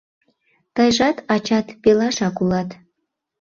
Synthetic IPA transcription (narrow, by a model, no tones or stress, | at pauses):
t̪əjʒɑt̪ɑt͡ɕɑt̪pelɑʃɑkulɑt̪